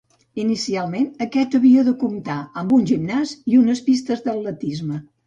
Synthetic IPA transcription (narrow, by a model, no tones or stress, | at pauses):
inisialˠmenəkɛt̪əβiəðəkumt̪aəmbunʲʒimnaziunəspist̪əzðəlːət̪izmə